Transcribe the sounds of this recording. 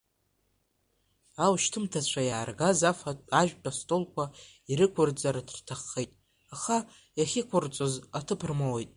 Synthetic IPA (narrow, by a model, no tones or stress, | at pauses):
awʃtʰɨmtʰat͡ɕʷʰajaːrɡazafatʼaʒᶣt͡pʼastʼolkʷa | iɾɨkʷʰʊrd͡zaɾadʰrtʰaχːejtʼ | aχa | jaχʲɪkʷʰʊrt͡sʷʼozatʰɨpʰrmawejtʼ